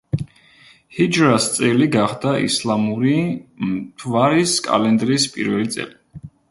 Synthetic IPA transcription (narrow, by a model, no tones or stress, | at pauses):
hid͡ʒɾast̪sʼɛliɡaχd̪aḭslˠamuɾimt̪ʰvaɾiskʼa̰lɛnd̪ɾispʼḭɾvɛlit̪sʼɛ̰li